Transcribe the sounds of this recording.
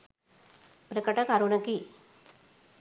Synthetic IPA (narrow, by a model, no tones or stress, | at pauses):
pɾəkəʈɐkaɾunɐki